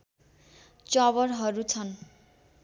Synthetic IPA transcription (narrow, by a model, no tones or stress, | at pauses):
t͡sʌβʌrɦʌɾut͡sʰʌn